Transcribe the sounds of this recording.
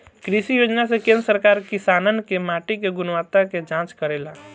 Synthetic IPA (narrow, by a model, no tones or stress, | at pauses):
kɾiʃijoːd͡ʒnasekẽːnɾsəɾkaːɾkɪsaːnənkemaːʈikeɡʊnʋaːt̪aked͡ʒãːt͡ʃkəɾeːla